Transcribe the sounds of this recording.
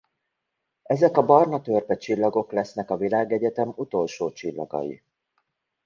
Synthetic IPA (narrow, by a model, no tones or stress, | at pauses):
ɛzɛkɒbɒrnɒt̪ørpɛt͡ʃilːɒɡo̞klɛsn̪ɛkɒvilaːɡɛɟɛt̪ɛmut̪o̞lʃoːt͡ʃilːɒ̰ɡɒ̰jḭ